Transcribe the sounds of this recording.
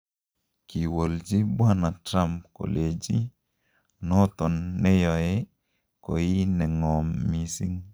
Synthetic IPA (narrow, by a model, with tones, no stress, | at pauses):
ki˨wo˨ld͡ʒi˦bwa˦na˨tɾa˦mp̚ko̰˨le˨d͡ʒi˦ | nɔ˦t̪ɔ˨nːɛ˦jɔ˨e˦ | ko˨ji˦nɛ˨ŋɔ˨mːi˦si˦ŋ